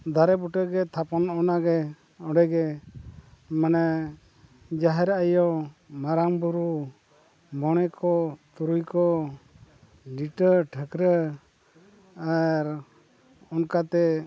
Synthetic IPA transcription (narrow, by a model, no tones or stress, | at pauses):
d̪aɾɛbuʈəɡɛt̪ʰapɔnɔnaɡɛ | ɔɽɛɡɛ | manɛ | d͡ʒaɦɛɾaʔajɔmaɾambuɾu | mɔɽ̃ɛkʰɔt̪uɾujkɔ | ɖiʈəʈʰəkɾə | aɾ | ɔnkat̪ɛ